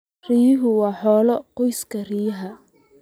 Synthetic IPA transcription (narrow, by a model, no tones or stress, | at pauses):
rijɪɦʊwɑːħɔːlɔqɔjskʰɐrijɐɦɐ